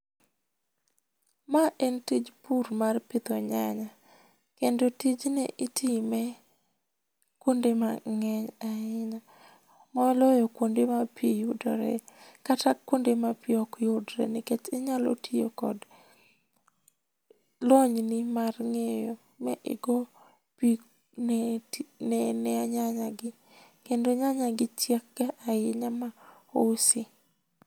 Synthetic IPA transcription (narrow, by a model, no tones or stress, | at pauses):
maʔɛntid͡ʒpuɾmarpɪt̪oɲaɲa | kendotid͡ʒnɛ̰ʔɪtʰimɛ | kwondemaŋɛɲaɪɲa | mɔlɔjɔkwondemapʰijudɔɾɛ̰katakːwondemapiɔkjʊdɾɛ̰nɪket͡ʃɪɲalɔ̰tʰijokɔ̰d | lɔɲnɪmarŋejo | mɛʔɪ̰ɡɔ | pi | n | nɛnɛaɲaɲaɡɪ | kendoɲaɲaɡɪt͡ʃjekːaʔaɪɲama | osi